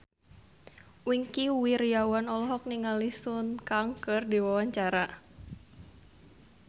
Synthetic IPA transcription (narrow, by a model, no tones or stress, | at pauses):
wiŋkiwirjawanɔlɔɦɔk̚niŋalisunkaŋkɨrdiwawaɲt͡ʃaɾa